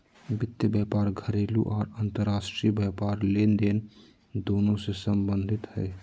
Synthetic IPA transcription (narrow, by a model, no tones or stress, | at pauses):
bɪt̪ːjəbaːpaːɾɡʱəɾeːlṵʔɔːɾənt̪əɾaːʃʈɾibjɛːpaːɾleːnd̪eːn | d̪oːnõsesəmbə̃nd̪ʱɪt̪hɛː